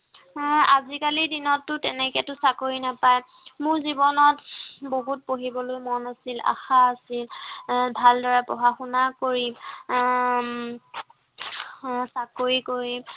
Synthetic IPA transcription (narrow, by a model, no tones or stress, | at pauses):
a̰zikalidinɔtːʊtɛnɛkɛtʊsakoɹinapaj | mʊɹzibɔnɔtboɦut̚poɦibɔlojmɔnasila̰xaːsilbʱaldɔɹɛpɹɔɦaxunakoɹim | sakoɹikoɹim